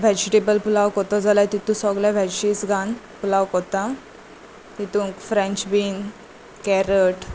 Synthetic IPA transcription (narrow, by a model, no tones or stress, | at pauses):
ʋʱɛd͡ʑʈebəlpulawkɔt̪ɔd͡zalat̪it̪ũsɔɡlaʋʱɛɕisɡan | pulawkɔt̪ã | t̪it̪ũkfɾẽɲt͡ɕbin | kɛɾəʈ